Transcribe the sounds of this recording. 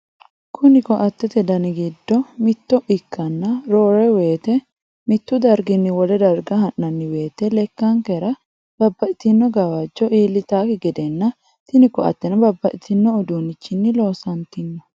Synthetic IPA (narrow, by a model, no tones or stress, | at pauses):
kʰʊnɪkɔʔɐt̪ːɛt̪ɛd̪ɐnɪɡɪd̪ːɔmɪt̪ːɔʔɪkʰːɐnːɐɾoːɾɛwe̞ːt̪ɛ | mɪt̪ːʊd̪ɐɾɡɪnːɪwɔlɛd̪ɐɾɡɐɦɐnːɐnːɪwe̞ːt̪ɛlɛkːɐŋkɛɾɐ | b̥ɐbːɐʔɪt̪ɪnːɔɡɐwɐd͡ʒːɔʔiːlːɪt̪aːkɪɡɛd̪ɛnːɐ | t̪ɪnɪkːɔɐ̰t̪ːɛnɐbɐbːɐʔt̪ɪnːɔːd̪uːnɪt͡ʃːɪnːɪlo̞ːsɐnt̪ɪnːɔ